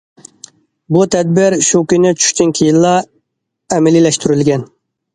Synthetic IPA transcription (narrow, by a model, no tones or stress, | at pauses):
but̪ʰɛd̪̚bɪɾʃukʲynɪt͡ʃʰy̥ʃt̪ynkʲʰijilˠːɑ | ɛmɛlɪlɛʃt̪ʰyɾylɡʲɛn